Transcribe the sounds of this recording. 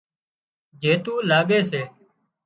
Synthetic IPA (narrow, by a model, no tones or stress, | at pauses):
d͡ʒeːt̪uːlaːɠeːseː